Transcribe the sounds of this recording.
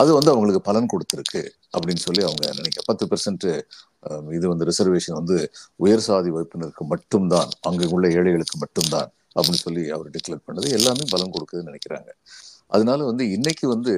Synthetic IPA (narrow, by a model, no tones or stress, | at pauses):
ɐðɯʋɐnd̪ɯɐʋɐŋɡɐɭɯkːɯpɐlɐnkɔɽɯt̪ːɪɾɯkːɯ̰ | ʔɐpːɐɽɪnːɯsɔlːiɐʋɐŋɡɐ̰nɪnɛkːɪɾa̰pɐt̪ːɯpɐɾsɐɳʈɯ | ɪðɯʋɐnd̪ɯɾɪsɐɾʋeːʂɐnʋɐnd̪ɯʊjɐɾsaːðiʋɐɪpːɯnɐɾkːɯmɐʈːɯmd̪aːnɐŋɡeɯɭːɐeːɻɐɪɣɐɭɯkːɯmɐʈːɯmd̪a̰ːn | ɐpːɐɽɪnːɯsɔlːiɐ̰ʋɐɾɖɪkːlɐʈ̚pɐɳːɐðɯɛlːaːnɯmpɐlɐnkɔɽɯkːɐðɯnɪnɛkːɪɾa̰ːŋɡɐʔɐ̰ðɐnaːlɐʋɐnd̪ɯɪnːɛkːɯʋɐnd̪ɯ